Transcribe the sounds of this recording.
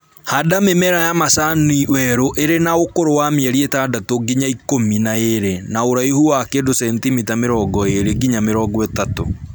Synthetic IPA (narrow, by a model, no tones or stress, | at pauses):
hadamemɛɾajamasaniwɛɾoʔeɾenaokoɾowameɛɾietadatoɡiɲaikominaeɾenaoɾaiɦuwakedosɛntimitameɾɔɡɔeɾeɡiɲameɾɔːɡɔɛtato̰